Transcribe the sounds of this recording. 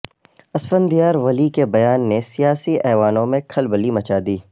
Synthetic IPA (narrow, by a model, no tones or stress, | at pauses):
ɐsfənd̪ijaːɾʋɐlikebɐjaːnːesijaːsiɛːʋaːnõmẽkʰɐlbəlimɐt͡ʃaːd̪iː